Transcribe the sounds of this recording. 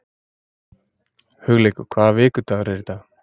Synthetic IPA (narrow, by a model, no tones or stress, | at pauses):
hʏɣlejkʏkʰvaːðvɪːkʏt̪aɣɾɛɾt̪a